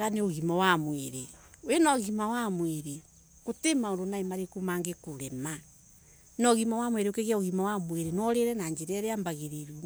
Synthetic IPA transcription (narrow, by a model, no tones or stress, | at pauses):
ɣaneoɣimawamweɾewenɔɣimawamweɾe | kotemaoɾonaemaɾekumaŋɡekoɾɛma | nɔɣimawamweɾeokeɣjaoɣimawamweɾenwɔɾeɾɛnaɲd͡ʒeɾɛɾeambaɣeɾeɾu